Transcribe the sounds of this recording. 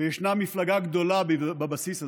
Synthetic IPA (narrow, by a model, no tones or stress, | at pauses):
ejeʃnamːiflaɡaɡd̪o̞labbabasisa